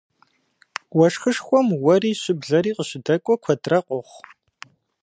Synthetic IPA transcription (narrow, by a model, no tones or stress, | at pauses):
wɔʂxɨʂxʷɔmwɐriːɕɪbɮɐɾiːqəɕɪdɐkʷʼɔkʷʰɐtʼrɐqʷɔχʷ